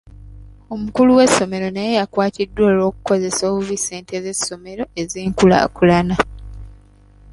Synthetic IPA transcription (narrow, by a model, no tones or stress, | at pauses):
o̞mukuluwe̞sːo̞me̞ɾo̞naje̞jakwaːtidːwoːlo̞ːku̥ko̞ze̞soːβuvise̞ːntezesːo̞me̞ɾo̞e̞ziːŋkula̰kulana